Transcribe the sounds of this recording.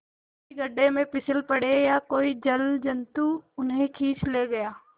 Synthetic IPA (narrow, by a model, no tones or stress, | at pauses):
iɡɐɖemẽpɪsɪlpɐɽejakoːid͡ʒɐld͡ʒɐnt̪uʊnɦẽkʰiːt͡ʃʰleːɡɐjaː